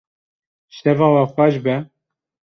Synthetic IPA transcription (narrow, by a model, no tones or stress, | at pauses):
ʃɛvɑːwɑxʷɛʒbɛ